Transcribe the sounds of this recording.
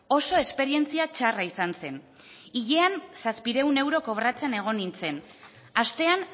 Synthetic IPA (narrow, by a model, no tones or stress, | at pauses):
o̞so̞e̞spe̞ɾient͡siat͡ʃaraisanse̞n | iʎe̞ansaspiɾe̞une̞wɾo̞ko̞βɾat͡se̞ne̞ɣ̞o̞nint͡se̞n | ast̪e̞an